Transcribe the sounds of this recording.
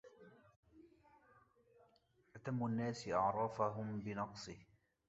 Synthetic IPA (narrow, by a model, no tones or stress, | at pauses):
ʔat̪amːuʔanːaːsɪʔɑʕɾˤɑːfaɦʊmbɪnɑqsˤɨh